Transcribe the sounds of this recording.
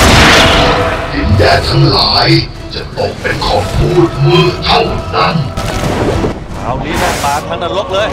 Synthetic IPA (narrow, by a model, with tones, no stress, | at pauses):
tʰɔ˧˩˧d̪i˨˩ndɛː˧t̪ʰa˥˩ŋlaː˩˦j | t͡ɕa˨˩t̪o˨˩k̚pe˧nkʰɔː˨˩pmuː˥˩t̪̚mɯ˥˩ə˨k̚t̪ʰa˥˩wna˥˩n˧